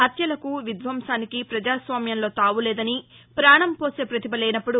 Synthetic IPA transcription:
ɦɐt̪jɐlɐkuʋid̪ʋɐmʃaːnikipɾɐd͡ʒaːsʋaːmjɐnlo̞ːt̪aːʋulɛːd̪ɐni | pɾaːɳɐmpo̞ːseːpɾɐt̪ibɐlɛːjnɐpːuɽu

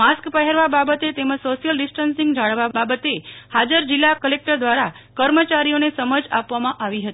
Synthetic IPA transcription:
askpəɦɛɾʋababət̪et̪eməd͡ʒsoʃijəlɖisʈənsĩŋɡd͡ʒaɭʋababət̪ehad͡ʒəɾd͡ʒilːakəlek̚ʈəɾd̪ʋaɾa | kəɾmət͡ʃaɾijonesəməd͡ʒapʋamãʔaʋiɦət̪i

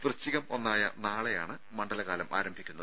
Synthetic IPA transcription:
t̪rɨt͡ɕːiɣɐmo̞nːaːjɐ̰naːɭejaːɳɨ | mɐɳɖɐlɐɣaːlɐmʔaːɾɐmbʱikʲːunːɐðɨ

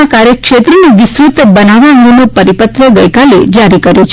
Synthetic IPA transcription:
akaɾekʃet̪ɾəniʋɪsɾut̪bənaʋaə̃ŋɡenopəɾipət̪ɾəɡəjkalḛd͡ʒaɾikəɾjot͡ʃʰ

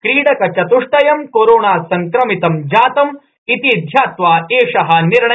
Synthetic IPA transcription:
kɾiːɽɐkɐt͡ʃɐt̪uʂʈɐjɐmkoːɾoːɳaːsɐŋkɾɐmit̪ɐmd͡ʒaːt̪ɐm | it̪id̪ʱjaːt̪ʋaːeːʂɐɦɐ̆niɾɳɐ

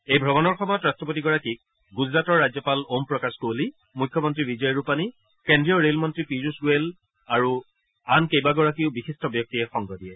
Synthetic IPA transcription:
ejbʱɹɔβɔnɔɹxɔmɔjɔtɹastɹɔp̬otiɡɔɹakik̚ | ɡuzɹatɔɹːad͡ʑzjɔpalompɹɔkaskoli | mujkʰjɔmɔntɹiɹizɔjɹupani | kendɹijɔɹelmɔntɹipizusuwel | aɹu | ankejbaɡɔɹakiʊbixistɔbjɔk̚tiɛxɔŋɡɔdijɛ

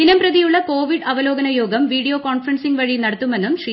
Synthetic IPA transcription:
inɐmprɐðijuɭːɐko̞ːʋiɖɐʋɐlo̞ːɡɐnɐjo̞ːɡɐmʋiːɽijoːkoːɳfɐrɐnsiŋɡʋɐɻinɐɽɐt̪ːume̞nːumʂri

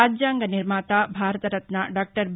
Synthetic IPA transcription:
aːd͡ʒd͡ʒaːŋɡɐniɾmaːt̪aːbʱaːɾɐt̪ɐɾɐt̪naːɖaːk̚ʈɐɾb

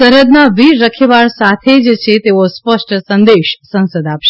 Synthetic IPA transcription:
səɾəd̪naʋiːəkʰeʋaɭsat̪ʰed͡ʒt͡ʃʰet̪eʋospəsʈəsənd̪eʃsə̃nsəd̪apʃe

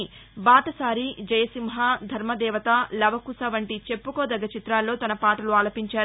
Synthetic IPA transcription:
baːt̪ɐsaːɾid͡ʒɐjɐsimɦɐd̪ʱɐɾmɐd̪ɛːʋɐt̪ɐlɐbɐkusɐʋɐɳʈit͡ʃe̞pːukoːd̪ɐɡːɐt͡ʃit̪ɾaːlːo̞ːt̪ɐnɐpaːʈɐluaːlɐpiɲt͡ʃaːɾ

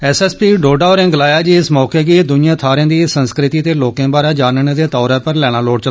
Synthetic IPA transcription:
ɛːsɛːspiːɖoːɖaːɔːɾɛ̃ːɡlaːjaːd͡ʒiɪsmɔːkeːɡiːd̪ʊnɪjãːt̪ʰaːɾjãːd̪iːsənskɾɪt̪iːt̪eːloːkeãːbaːɾaːd͡ʒaːnəneːd̪eːt̪ɔːɾɛːpəɾlɛːɽ̃ãːloːɽt͡ʃə

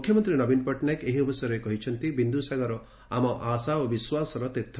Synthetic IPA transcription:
kʰjɔmɔnt̪ɾinɔbinpɔʈnakeɦiɔbɔsjɔɾɔekɔɦit͡ʃʰɔnt̪ibind̪usaɡɔɾɔ | amɔʔasaɔbiswasɔɾɔt̪iɾt̪ʰ

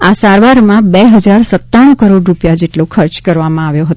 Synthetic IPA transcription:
asaɾʋaɾmãbeɦəd͡ʒaɾsət̪ːaʋəɳ̃kəɾoɖɾupjad͡ʒeʈlokʰəɾt͡ʃkəɾʋamãaʋjoɦət̪o

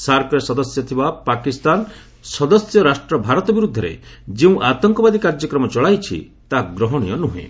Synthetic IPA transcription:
saɾkɔɾesɔd̪ɔsjɔt̪ʰibapakist̪an | sɔd̪ɔsjɔɾasʈɾɔbʱaɾɔt̪ɔbiɾud̪ʱːɔɾḛd͡ʒeũʔat̪ɔŋkɔbad̪ikaɾd͡ʒɔkɾɔmɔt͡ʃɔɭajt͡ʃʰḭ | t̪aɡɾɔɦɔɽ̃ḭjɔnuɦḛ̃

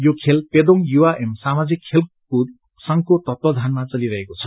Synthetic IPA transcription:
jokʰelped̪oŋjuaʔemsamad͡zikʰːelku | sʌŋkot̪ʌt̪wʌd̪ʱanmat͡sʌliɾʌɦekot͡sʰʌ̥

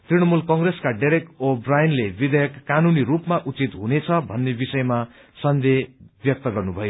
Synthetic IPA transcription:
t̪riɽʌmulkʌŋɡreskaɖeɾek̚ʈobrajnlebid̪ʱʌjʌkːanuniɾupmaʔut͡sit̪ɦunet͡sʰʌbʱʌnːebisʌjma | sʌnd̪ʱebjʌk̚t̪ʌɡʌrnubʱʌjo

